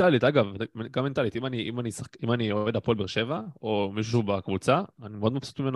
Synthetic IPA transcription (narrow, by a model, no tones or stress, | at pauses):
alit̪aɡavmeɡamːe̞nt̪alit̪imaniʔimanisakimaniove̞dapoolbeʁʃe̞vaomiʃ̬uʃ̬ehubekvut͡saːnimeo̞d̪mafsu̥t̪mimen